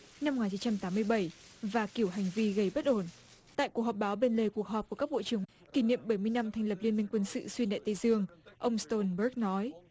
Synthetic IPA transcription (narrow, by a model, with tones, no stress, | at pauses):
na˧mo˨ŋaː˨˩t͡ɕi˨˦nt͡ɕa˧mt̪aː˨˦mːɨ˧əjɓə˧˩jvaː˨˩ki˧˩əwɦa˨˩jŋ̟vi˧ɣə˧˩jɓə˦˥t̚ʔo˧˩n | t̪a̰ː˧˨jku˨˩k̚hɔ˨˩p̚ɓaː˨˦wɓe˧nle˨˩ku˨˩ək̚ɦɔ˨˩p̚ku˧˩əkaː˦˥k̚ɓo̰˧˨t͡ɕɨ˧˩əŋ | ki˧˩nḭ˧˨əmɓə˧˩jmɨ˧əjna˧mt̪ʰɛ˧jŋ̟lə˨˩p̚li˧ənmï˧ŋ̟kwə˧nsɨ̰˧˨swi˧nɗa̰˧˨jt̪ə˧jzɨ˧əŋʔə˧wŋ͡mst̪o˧nɓəː˦˥k̚nɔ˨˦j